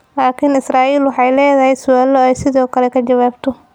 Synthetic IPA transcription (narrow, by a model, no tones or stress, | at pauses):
laːkʰɪnɪsraːʔiːlwɑħɑjlɛːðɐɦɛjsʊaːlɔɛjsɪðɔːkʰɐlɛkʰɐt͡ʃɐwaːbt̪ʰɔ